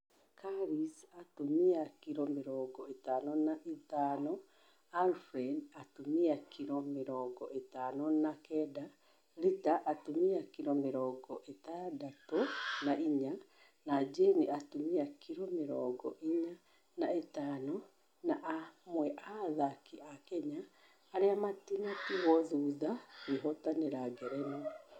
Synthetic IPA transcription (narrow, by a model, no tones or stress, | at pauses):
kʰaɾisatumiakiɾɔmeɾɔɡɔetanɔnaʔetaːnɔ | alfɾenatumiakʰiɾɔmeɾɔɡɔetaːnɔnakɛda | ɾitaʔatumiakiɾɔmeɾɔːɡɔʔetadatonaiɲa | nad͡ʒeniatumiakʰiɾomeɾɔ̰ɡɔʔiɲa | naetaːno | naʔamwɛʔaðakiʔakɛɲaː | ɾeamatinatiɣɔðuːðaweɦɔtaneɾaɡɛɾɛno